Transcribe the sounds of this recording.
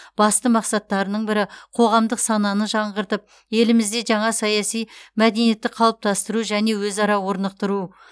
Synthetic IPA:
b̥ɑst̪əmɑqsɑt̪ːɑɾənəɴbɪɾɪqʰo̞ʁɑmd̪əqsɑnɑnəʒɑɴʁəɾt̪əp̚ | je̞lɪmɪzd̪e̞ʒɑɴɑsɑjɑsijmæd̪e̞nije̞t̪ːɪqʰɑlˠəp̚t̪ɑst̪əɾuʒæne̞wɵzɑɾɑwo̞ɾnəq̚t̪əɾu

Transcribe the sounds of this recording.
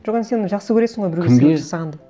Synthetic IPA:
ʒ̥oqenəsenʒɑqsəkʰʲɵɾesɪɴʁojbɪɾɡʲeeeʒɑsɑʁɑnd̪e

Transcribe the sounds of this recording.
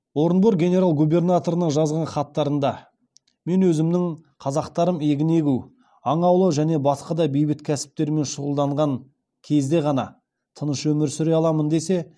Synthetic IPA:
wo̞ɾənboɾɡʲe̞ne̞ɾalˠɡube̞rnat̪o̞ɾənəɴʒɑzʁɑɴχɑt̪ːɑɾənd̪ɑ | me̞nwɵzɪmd̪ɪŋqʰɑzɑqt̪ɑɾəme̞ɡʲɪne̞ɡʲuw | ɑɴɑwlˠəʒæne̞bɑsqɑd̪ɑbijbɪt̪kʲʰæsɪ̥p̚t̪e̞ɾme̞nʃʊʁəlˠd̪ɑɴʁɑŋ | kʲʰe̞zd̪e̞ʁɑnɑ̰ | t̪ʰənəʃwɵmɪɾsʏɾe̞ɑlˠɑmənd̪e̞se̞

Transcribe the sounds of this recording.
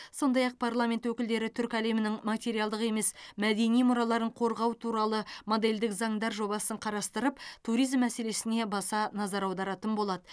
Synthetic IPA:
so̞nd̪ɑjɑq̚pʰarlˠamʲe̞nt̪wɵkʲɪld̪e̞ɾɪt̪ʰʏɾkʲæle̞mɪnɪŋmat̪ʲe̞ɾijalˠd̪əqe̞me̞smæd̪e̞nijmʊɾɑlˠɑɾəɴqʰo̞ɾʁɑwt̪ʰuɾɑlˠəmo̞d̪e̞ld̪ɪkzɑɴd̪ɑɾʒo̞bɑsəɴqʰɑɾɑst̪əɾəpt̪ʰuɾijzmːæse̞le̞sɪne̞bɑsɑnɑzɑɾɑwd̪ɑɾɑt̪ənbo̞lˠɑd̪ə

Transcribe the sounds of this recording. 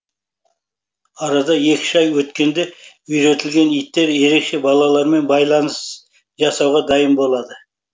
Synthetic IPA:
ɑɾɑd̪ɑje̞kʲɪ̥ʒɑjwɵt̪kʲe̞nd̪e̞ | ʏjɾe̞t̪ɪlɡʲe̞nijt̪ːe̞ɾje̞ɾe̞kʃe̞bɑlˠɑlˠɑɾme̞nbɑjlˠɑnəs | ʒɑsɑwʁɑd̪ɑjəmbo̞lˠɑd̪ə

